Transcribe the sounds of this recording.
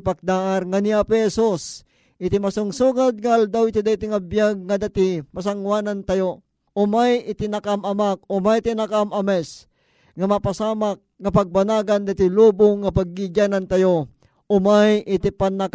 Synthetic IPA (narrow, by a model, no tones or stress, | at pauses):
pak̚d̪aʔaɾŋaniapɛhɛsus | ʔɪt̪imasʊŋsuːɡad̪̚ŋaʔald̪awɪt̪id̪ait̪iŋabjaɡ̚ŋad̪at̪ɪpas̬aŋwaːnant̪ajo | ʊmajɪt̪ɪnakamɐmak̚ʊmajt̪inakamɐmɛs | ŋɐmapasaːmak̚ŋɐpaɡ̚banaːɡand̪at̪ɪluːbʊŋːapaɡ̚ːiɡanant̪ajo | ʔʊmajɪt̪ipanak